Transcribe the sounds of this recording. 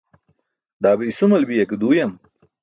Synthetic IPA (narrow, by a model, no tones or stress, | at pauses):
d̪aːbijsumɐlbijɐkud̪uːjɐm